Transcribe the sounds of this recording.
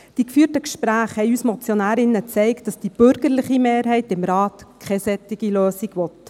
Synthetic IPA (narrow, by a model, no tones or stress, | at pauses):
d̥ikfyːɾtəkʃpɾæːχhɛɪyːsmɔt͡sjonæːɾɪnːət͡sɛɪkt̚d̥ɑsd̥ib̥ʏɾɡ̥əɾlɪχimeːɾɦɛɪtɪmɾɑːtkʰχɛsɛtːɪɡ̥iløːsiɡʋɔt